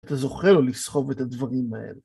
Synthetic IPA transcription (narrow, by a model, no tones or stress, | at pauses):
t̪azo̞χelolisχo̞ve̞t̪ad̪vaʁimae̞̰le